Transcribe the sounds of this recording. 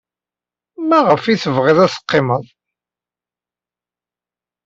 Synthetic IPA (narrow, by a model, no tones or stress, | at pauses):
mæʁəfiθəvʁɪðˤæsə̥qːeməðˤ